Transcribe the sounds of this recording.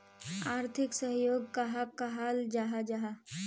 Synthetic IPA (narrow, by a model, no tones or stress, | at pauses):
aːɾt̪ʰɪksəɦjoːɡkaɦakaɦaːld͡ʒaːɦad͡ʒaɦa